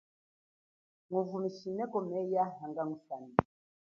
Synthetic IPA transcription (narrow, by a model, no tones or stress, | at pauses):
ŋuvumisinɛkɔmɛjaɦaŋɡaŋufani